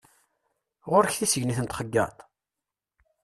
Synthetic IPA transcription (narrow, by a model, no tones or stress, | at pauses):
ʁoɾçθisəʝniθənt̪χəɡːɑ̰t̪ˤ